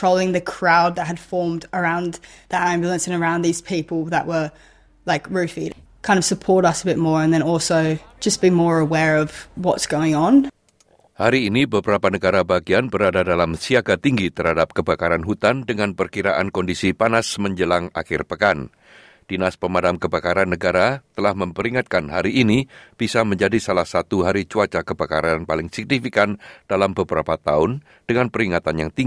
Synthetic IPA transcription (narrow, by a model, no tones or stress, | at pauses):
oʊlˠɪ̃ŋðɨkʰɹ̥aʊd̪̚ðət̚ɦɨd̥fɔɹmdə˞ãʊ̃nðəɾæ̃mbjl̩ˠə̃nsɨ̃nə˞ãʊ̃nðiz̥pʰipl̩ˠðəʔwə˞ | laɪkɹʉfḭkʰãɪ̃ndʌv̥səpʰɔɹɾʌsəbɪt̚mɔɹə̃nðɨ̃ñɔlˠsoʊd̥d͡ʒʌsb̥imɔɹəwɛɹʌvwʌtsɡ̥oʊɪ̃ŋə̃n | haɾiːnibəbəɾapanəɡaɾabaɡianbəɾadadalamsiaɡat̪iŋɡit̪ərhadap̚kəbakaɾanɦut̪andəŋanpərkiɾaʔankɔndisipanasməɲd͡ʒəlaŋa̰xɪrpəkan | d̥inaspəmadamkəbakaɾanːəɡaɾat̪əlahməmpəɾiŋat̪̚kanɦaɾiʔːnib̥isaməɲd͡ʒadisalahsat̪uɦaɾit͡ʃuat͡ʃakəbakaɾanpalɪŋsɪk̚nifikand̥alambəbəɾapat̪aʊn | d̥əŋanpəɾiŋat̪anjaŋt̪iŋɡi